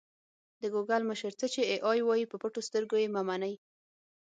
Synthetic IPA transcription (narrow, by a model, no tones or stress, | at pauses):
d̪əɡuɡalməʃəɾt͡sət͡ʃeeʔɑjwɑjipəpəʈost̪əɾɡojemamanaj